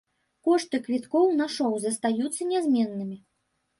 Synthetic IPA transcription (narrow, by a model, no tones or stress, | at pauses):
kɔʂt̪ɨkvʲit̪kɔwnaʂɔwzɐst̪ajut̪sːɐnʲɛzʲmʲɛnːɨmʲi